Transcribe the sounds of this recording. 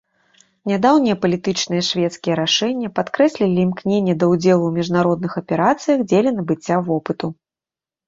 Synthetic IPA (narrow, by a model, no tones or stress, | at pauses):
nʲad̪awnʲijɛpɐlʲit̪ɨt͡ʂnɨjɛʂvʲɛt̪skʲijɛɾaʂɛnʲːɐpat̪kɾɛsʲlʲilʲimknʲenʲːɐd̪ɐud͡zʲɛlˠuwmʲiʐnaɾɔd̪nɨxɐpʲɛɾat̪sɨjɐxd͡zʲelʲɛnɐbɨt͡sʲːavɔpɨt̪u